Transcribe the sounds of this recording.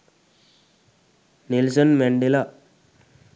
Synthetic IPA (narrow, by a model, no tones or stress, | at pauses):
nilsənmeɳɖila